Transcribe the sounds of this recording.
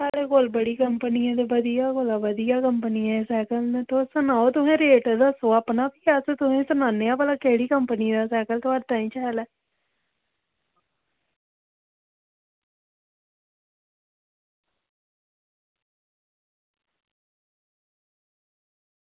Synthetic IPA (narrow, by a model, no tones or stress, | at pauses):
saːɽeːkolbəɽiːkəmpənɪjãːd̪eːʋəd̪ijaːkolaːʋəd̪ijaːkəmpənijãːsɛːkəlnẽt̪osənaːoːt̪ʊɦɛ̃ːɾeːʈd̪aːsoːaːpnaːpiːaːst̪ʊɦẽːsənaːnːeːaːpəlaːkeːɽiːkəmpənid̪aːsɛːkəlt̪oaːɖt̪ãːĩːt͡ʃɛːlɛː